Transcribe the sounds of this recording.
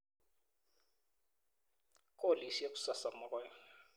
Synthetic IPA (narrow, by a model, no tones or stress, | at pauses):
kʼolisijek̬u̥sasamʊkwɛ